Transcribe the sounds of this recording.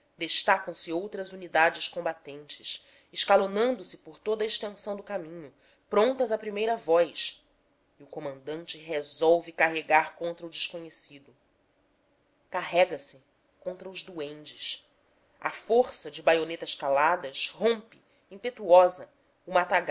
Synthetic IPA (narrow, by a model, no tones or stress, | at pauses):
d̪eʃt̪akɐ̃w̃sɪowt̪ɾɐzunid̪ad͡ʒɪʃkõmbat̪ẽnt͡ʃɪʃ | ɪʃkalonɐ̃nd̪ʊsɪpoɾt̪od̪ɐɪʃt̪ẽsɐ̃w̃d̪ʊkamĩɲʊ | pɾõnt̪ɐzɐpɾimejɾɐvɔjʃ | iʊkomɐ̃nd̪ɐ̃nt͡ʃɪɦezɔwvɪkaɦeɡaɾkõnt̪ɾɐʊd͡ʒɪʃkoɲesid̪ʊ | kaɦɛɡɐsɪ | kõnt̪ɾɐʊʒd̪uẽnt͡ʃɪʃ | ɐ̰foɾsɐd͡ʒɪbajonet̪ɐʃkalad̪ɐʃɦõmpɪ | ĩpet̪uɔzɐ | umɐat̪aɡ